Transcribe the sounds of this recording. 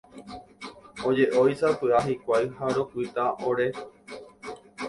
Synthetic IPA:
od͡ʒeʔojsapɨaɦikʷajhaɾo̞kʷit̪aoɾe

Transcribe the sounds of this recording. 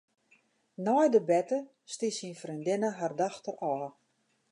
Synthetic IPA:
nɔjdəbɛtə | stisinfrindɪnəɦardaxtərɔː

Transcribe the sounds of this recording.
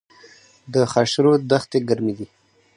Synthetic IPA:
d̪əxaʃɾod̪axt̪eɡaɾmid̪i

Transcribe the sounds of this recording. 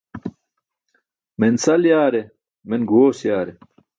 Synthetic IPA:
mensɐljaːɾe | menɡoːsjaːɾe

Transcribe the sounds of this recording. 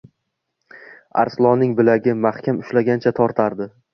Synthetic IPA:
a̰ɾslˠɒnɪŋbɪlaɡʲɪmahkʲʰamʊʃlaɡʲant͡ʃʰat̪ʰɒɾt̪ʰaɾd̪ɪ

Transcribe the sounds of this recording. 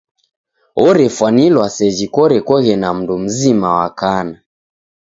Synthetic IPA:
ɔɾɛfwanilwasɛd͡ʒikɔɾɛkɔɣɛnam̩dum̩zimawakana

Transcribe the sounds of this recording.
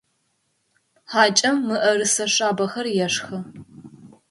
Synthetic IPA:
ħaːt͡ʃʼɐmːɨʔɐɾɨsɐʂʼaːbɐxɐrjɛʂxɐ

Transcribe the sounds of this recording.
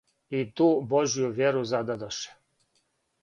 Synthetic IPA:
it̪uːboʒjuvʲjeɾuzad̪ad̪əʃɛ̥

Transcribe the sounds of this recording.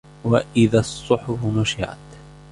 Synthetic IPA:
waʔɪðasˤːʊħʊbnʊʃɪʕa̰t̪

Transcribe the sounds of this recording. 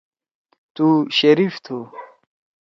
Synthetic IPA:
t̪uɕɐɾift̪ʰu

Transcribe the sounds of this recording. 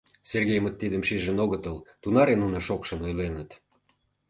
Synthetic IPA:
serɣejmət̪ːid̪əmʃiʒə̆noɣət̪əlt̪unɑɾenunə̆ʃokʃə̆nojlenət̪

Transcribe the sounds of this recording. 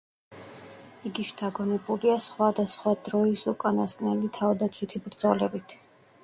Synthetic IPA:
iɡiʃt̪ʰaɡɔnɛbuliasχwad̪asχwad̪ɾɔisukʼanaskʼnɛlit̪ʰavd̪at̪sʰwit̪ʰibɾd̪zɔlɛbit̪ʰ

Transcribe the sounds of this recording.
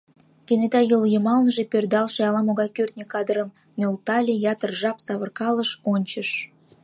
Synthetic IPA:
kenet̪ɑjoljəmɑlnəʒe̽pørd̪ɑlʃeɑlɑmoɣɑkørt̪̚nʲekɑd̪əɾəm | nølt̪ɑlʲejɑt̪ərʒɑpsɑβərkɑləʃonʲt͡ɕəʃ

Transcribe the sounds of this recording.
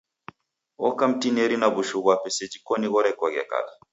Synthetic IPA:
ɔkam̩tinɛɾinaβuʃuβwapɛsɛd͡ʒikɔniɣɔɾɛkwaɣɛ̰ka̰la

